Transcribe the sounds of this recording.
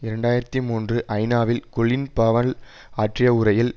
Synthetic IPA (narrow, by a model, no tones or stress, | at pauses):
ɪɾɐɳɖaːjɪɾɐt̪ːimuːndrɯʔɐɪnaːʋɪlkɔɭɪnpɐʋɐl | aːʈrɪjɐʊɾɐjɪl